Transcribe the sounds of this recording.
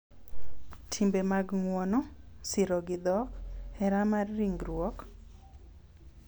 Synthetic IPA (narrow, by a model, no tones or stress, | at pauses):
tʰimbemaɡŋwɔnɔsɪɾɔɡɪd̪ɔkɛɾamarːiŋɡɾwɔk